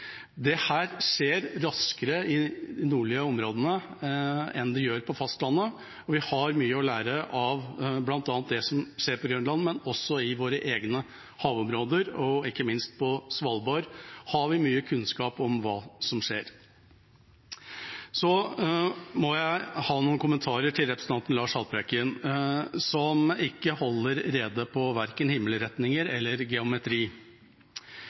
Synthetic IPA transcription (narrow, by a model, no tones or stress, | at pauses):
d̪ɛhæːɾʂeːɾɾɑskəɾəɪnuːɭɪəɔmɾoːd̪ənə | ɛ̰nd̪ɛjøːɾpʰɔfɑst̪lɑnːə | ɔʋɪhɑɾmyːəɔlæːɾəʔɑʋblɑnt̪ɑːnt̪̚d̪ɛsɔmʂeːɾpʰɔɡɾœnlɑnmɛnɔsːɔɪʋoːɾəʔeːɡnə | hɑːʋɔmɾoːd̪əɾɔɪkːəmɪnst̪̚pʰɔsʋɑlboɾhɑʋɪmyːəkʰʉnskɑːpɔmʋɑːsɔmʂeːɾ | sɔ | mɔjæɪhɑːnuːnkʊmənt̪ʰɑːɾəʈʰɪlɾɛpɾəsn̩ɑnt̪n̩lɑːʂɑlpɾɛkɪənsɔmɪkːəhɔlːəɾɾeːd̪əpʰɔʋæɾkənhɪmːələɾɛt̪nɪŋəɾɛlːəɾɡɛʊmɛt̪ʰɾiː